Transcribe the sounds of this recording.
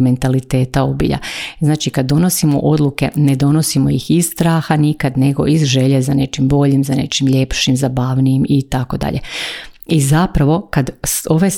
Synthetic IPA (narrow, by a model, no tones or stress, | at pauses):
me̞nt̪alit̪e̞ːt̪ao̞bḭʎa̰znaːt͡ʃikad̪ːo̞no̞simo̞̰ʔo̞d̪lˠuke̞ne̞d̪o̞no̞simo̞jixisst̪ɾaːxanikad̪ne̞ɡo̞̰ʔizʒe̞ʎezane̞t͡ʃimbo̞ʎimzane̞̰t͡ʃimʎe̞pʃimzabaʋniimit̪ako̞d̪a̰ʎʔe̞̰ | izapɾaʋo̞kad̪o̞ʋes